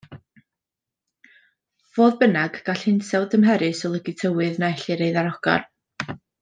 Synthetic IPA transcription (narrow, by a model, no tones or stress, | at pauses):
v̥oːðbənaɡɡ̥aɬhɪnsʰɛwdəmɦɛɾɨsɔlˠəɡɪtʰəwɨðnaɛɬɪɾejðaɾɔɡ̥a̰r